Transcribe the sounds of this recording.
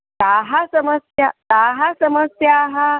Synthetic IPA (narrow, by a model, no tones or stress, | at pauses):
t̪aɦasəməsja̰t̪aɦasəməsjaɦa